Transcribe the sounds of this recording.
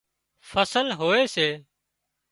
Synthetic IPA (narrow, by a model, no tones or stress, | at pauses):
fʰəsəlɦoːeːseː